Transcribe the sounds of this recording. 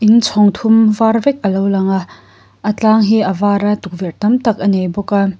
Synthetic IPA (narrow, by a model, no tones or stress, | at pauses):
ʔint͡sʰɔŋt̪ʰumvarvɛk̚ʔəlowlɐŋa | ʔət͡ɬaːŋɦiʔəvaːɾat̪uk̚virt̪ɐmt̪ɐk̚ʔɐnejbɔka